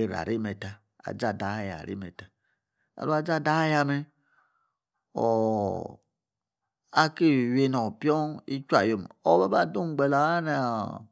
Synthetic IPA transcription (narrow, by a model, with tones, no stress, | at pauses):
i˨ɾa̰˨ɾi˦me˨ta˨ | a̰˨d͡ʒa˨da˨˦ja̰˨ɾḭ˦me˨ta˨ | a̰˨lu˦a˨d͡ʒa˦˨da˦ja˦me˦ | o̰˨ | a˦ki˦˨we˦no˨pi˦o˦i˦t͡ʃʷa˨jo˨mo˦be˦ba˦˨du˦m˦ɡ͡be˨la˨a˦ne˨